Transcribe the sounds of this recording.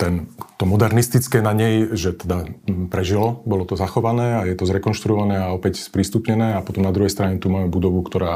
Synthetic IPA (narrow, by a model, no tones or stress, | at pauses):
t̪ɛnt̪ɔmɔd̪ɛɾnist̪it͡skɛːnaɲɛjʒɛt̪ɛd̪apɾɛʒilɔbɔlɔt̪ɔzaxɔʋanɛːajɛt̪ɔzɾɛkɔnʃt̪ɾuɔʋanɛːaɔpɛcspɾist̪upɲɛnɛːapɔt̪ɔmnad̪ɾuɦɛjst̪ɾaɲɛt̪umaːmɛbud̪ɔʋukt̪ɔɾaː